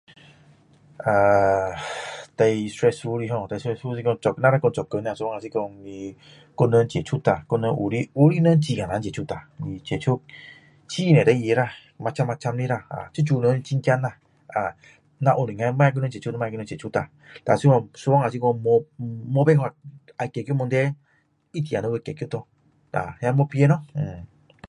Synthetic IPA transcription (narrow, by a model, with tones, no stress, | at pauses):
a˧ | t̪a˧jstɾɛ˧su˧˦ɾi˧ɦɔ̃˧˨t̪a˧˨sɛ˧su˦si˧kɔ˧ɔ˨kna˦ɾa˦kɔ˧t͡ʃɔ˨kə˧˨n˧a˧˨so˧ɔ˦ŋa˨i˦kɔ˧ni˧ | ko˦nə˧˦nt͡ʃe˨t͡ʃʰu˦t̪a˨ko˦˧nə˧˦ʔṵ˧˨ɾi˦u˦ɾi˦nə˦n˦t͡ʃi˧ɡã˨nã˨˦t͡ʃe˨t͡ʃʰu˦t̪a˨ni˧t͡ʃe˨t͡ʃʰu˦k̚ | t͡ʃi˦˨nɛ̃˨ɾe˧˦je˧˦ɾa˦˧˨ | ma˧t͡ʃa˦ma˧t͡ʃa˧mni˦ɾa˧˨a̰˨t͡ʃu˦t͡ʃu˦˧˨nə˨˦ni˧t͡ʃi˦ŋ˦ki˦a˦na˧˨ | a˨ | nã˧˨ʔo˨˧ni˨ŋa˧˦ma˦a˦k̬u˦nə˦t͡ʃe˨t͡ʃo˦n˧˦ma˦˧ki˧˦nə˧˦t͡ʃːt͡ʃu˦ta˨ | d̥a̰˨si˦kɔ˧so˧wɔ˦ŋa˨si˦kɔ˧mɔ˧mo˧bɛ˦ɦwa˧˨ | a˨kɛ˨ko˦mɔ˧ndɛ˦ | i˦ti˨a˨no˧˦we˧˨kɛ˨ki˦o˦tɔ˧ | da̰˨hja˧˦ɔ˧pi˧˦e˧˦nɔ˦˨